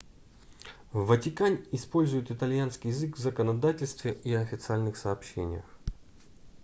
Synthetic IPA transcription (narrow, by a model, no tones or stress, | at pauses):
vːətʲɪkanʲɪspo̞lʲzʊjɪt̪ɨt̪ɐlʲjanskʲɪjɪzɨkvzəkənɐd̪atʲɪlʲst̪vʲɪʔiɐfʲɪt̪sɨalʲnɨxsɐːpɕːḛnʲɪ̰jə̰x